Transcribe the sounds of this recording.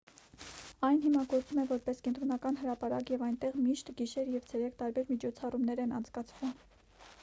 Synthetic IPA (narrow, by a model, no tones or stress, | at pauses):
ɑjnɦimɑɡɔɾt͡sumɛvɔɾpɛskɛnt̪ɾɔnɑkɑnhəɾɑpɑɾɑkjɛvɑjnt̪ɛʁmiʃt̪ɡiʃɛɾjɛvt͡sʰɛɾɛkʰt̪ɑɾbɛɾmit͡ʃʰɔt͡sʰɑrumnɛɾɛnɑ̰nt͡sʰkɑt͡sʰvum